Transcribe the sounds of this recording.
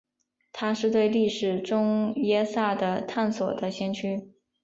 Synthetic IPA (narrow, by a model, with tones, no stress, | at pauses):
t̪ʰa˥ʂɻ̩˥˧t̪we˥˧ɪli˥˩ʂɻ̩˨˩ʈ͡ʂʊ˥ŋjɛ˥sa˥˩d̪ə˦t̪ʰa˥˩nswɔ̰˨˩d̪ə˦ɕjɛ˥nt͡ɕʰy˥